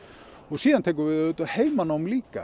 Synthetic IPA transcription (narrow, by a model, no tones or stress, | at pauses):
ɔɣsiːðant̪ʰeːjk̬ʏɾvɪːðøːt̪aðheːjmanːaʊmliːka̰